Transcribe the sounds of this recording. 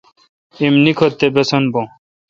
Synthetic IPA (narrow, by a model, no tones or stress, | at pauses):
imnikʰot̪ːebesɐnbõ